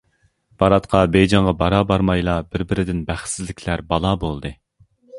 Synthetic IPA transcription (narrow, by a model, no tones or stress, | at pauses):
b̥ɑɾɑt̪qʰɑbejd͡ʒɑŋʁɑbɑɾɑbɑɾmɑjlˠɑbɪɾbɪɾɪd̪ɪnbæχt̪sɪzlːɪkʲʰlæɾbɑlˠɑbolˠd̪ɨ